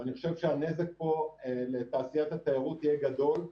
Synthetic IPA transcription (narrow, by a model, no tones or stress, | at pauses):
aniχo̞ʃevʃeane̞zek̚po̞let̪aːsijat̪hat̪ajaʁut̪ijeɡad̪o̞l